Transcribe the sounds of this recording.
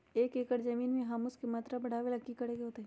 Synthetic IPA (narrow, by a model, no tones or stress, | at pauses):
eːkeːkəɾzɐmiːnmẽɦɐmʊskemaːt̪ɾabɐɽ̤aːʋelɐkːikɐɽeːɡeɦoːt̪eɦɛː